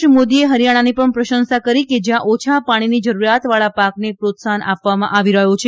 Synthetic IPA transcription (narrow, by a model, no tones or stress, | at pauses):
əmod̪ieɦəɾjaɽ̃anipəɳpɾəʃənsakəɾiked͡ʒjãʔot͡ʃʰapaɽ̃inid͡ʒəɾuɾjat̪ʋaɭapaknepɾot̪sanʔapʋamã̰ʔaʋiɾəɦjõt͡ʃʰe